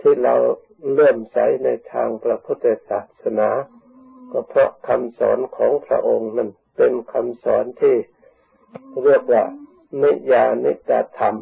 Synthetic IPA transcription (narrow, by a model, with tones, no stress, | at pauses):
t̪ʰiː˧˩ɾa˧w | ɾɤː˥˩msa̰˨˩˦jna˧jt̪ʰaː˧ŋpɾa˧pʰu˦˥t̪ːa˧saː˨˩t̪̚sa˧naː˩˦ | kɔ˧˩pʰɾɔ˦˥ʔkʰa˧msɔ̰ː˩˦nkʰɔː˩˦ŋpʰɾa̰˧ʔo˧ŋna˧˩n | pe˧nkʰa˧msɔ̰ː˩˦nt̪ʰiː˧˩ | ɾi˥˩ək̚waː˧˩ | ni˦˥˩jaː˧nḭ˦˥ta˧t̪ʰːa˧m